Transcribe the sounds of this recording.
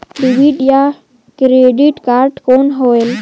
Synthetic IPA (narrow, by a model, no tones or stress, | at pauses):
ɖiʋiɖja | kɾeɖiʈkaɾʈkonɦoel